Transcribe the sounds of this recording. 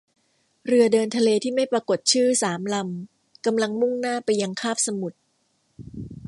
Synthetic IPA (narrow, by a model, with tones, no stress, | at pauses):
ɾɯ˧ɐdɤː˧nt̪ʰa˧leː˧t̪ʰiː˥˩ma˥˩jpɾaː˧ko˨˩t̪̚t͡ɕʰɯː˥˩saː˩˦mla˧m | ka˧mla˧ŋmu˥˩ŋnaː˥˩pa˧jːa˧ŋkʰaː˥˩p̚sa˧mu˨˩t̪̚